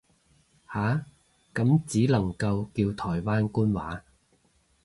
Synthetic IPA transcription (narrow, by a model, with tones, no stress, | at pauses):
haː˨˥ | kɐ˨˥mt͡siː˨˥lɐ˨˩ŋkɐ˧wkiː˧wt̪ʰɔː˨˩jwaː˥nkuː˥nwaː˨˥